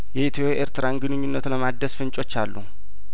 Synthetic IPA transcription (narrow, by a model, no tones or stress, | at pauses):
jɛʔit̪ʰoʔeɾt̪ɨɾanɡɨnɨɲːunːət̪ləmad̪ːəsfɨnt͡ʃʼot͡ʃːalːu